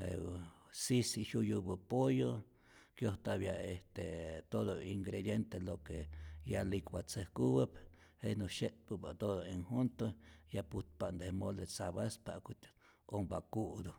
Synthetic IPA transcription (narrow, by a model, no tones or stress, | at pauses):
ḛ | sisiʃujubəpojo | kjoht̪aβjaeht̪et̪od̪oiŋɡɾed̪jent̪elokejalikwat͡səhkuwəp | henuʃeʔt̪̚pupat̪od̪oiŋhunt̪ojaput̪̚paʔnd̪ehmolet͡saβaspa̰ʔkut̪ | ombakuʔd̪o